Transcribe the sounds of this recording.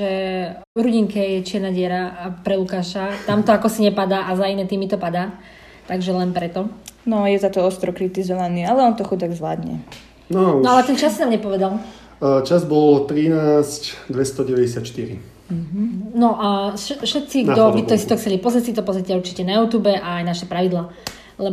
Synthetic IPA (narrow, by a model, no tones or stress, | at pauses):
ʒɛ | ɾuɟiŋkɛjɛt͡ʃɪɛɾnaɟɪɛɾapɾɛlukaːʃat̪amt̪ɔakɔsiɲɛpad̪aːʔazainɛt̪iːmit̪ɔpad̪aː | t̪aɡʒɛlɛnpɾɛt̪ɔnɔjɛzat̪ɔɔst̪ɾɔkɾit̪izɔʋaniːalɛɔnt̪ɔxud̪aɡzʋla̰ːd̪ɲɛ̰ | nɔɔalɛt̪ɛnt͡ʃasːinaːmɲɛpɔʋɛd̪al | t͡ʃazbɔlt̪ɾinaːscd̪ʋɛst̪ɔɟɛʋɛɟɛsɪat̪ʃt̪iɾḭ | ɦ̩nɔʔaʃɛfʃɛt̪̚t͡siɡd̪ɔbit̪ɔsit̪ɔxt͡sɛlipɔzɾɛsit̪ɔpɔzɾɛcɛuɾt͡ʃicɛnajuːt̪uːbɛʔaːjnaʃɛpɾaʋid̪laː | lɛ